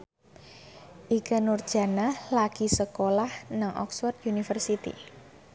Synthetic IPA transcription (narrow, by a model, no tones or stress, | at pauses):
ʔikanʊrd̥ʒ̥a̤nalaɡ̥i̤səkolahnaŋʔɔ̰ksfɔrt̪junifərsit̪ḭ